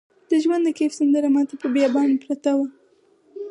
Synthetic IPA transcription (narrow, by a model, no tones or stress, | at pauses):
d̪̥əʒwand̪əkefsand̪əɾamɑt̪apəbjɑbɑnepɾat̪awa